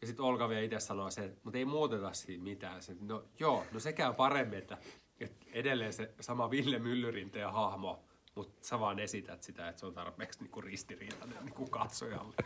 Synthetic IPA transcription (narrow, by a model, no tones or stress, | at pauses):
jɑsit̪olkɑʋieit̪essɑnoɑsemut̪eimuːt̪et̪ɑssiːmmit̪æːnsenojoːnosekæypɑremːiet̪ːæ | et̪edelːeːnsesɑmɑʋilːemylːyrint̪eːhɑhmo | mut̪sɑʋɑːnesit̪æt̪sit̪æet̪seont̪ɑrpˑeːksniːŋkurist̪iriːt̪ɑnenniːŋkukɑt̪so̰jɑ̰lːe̥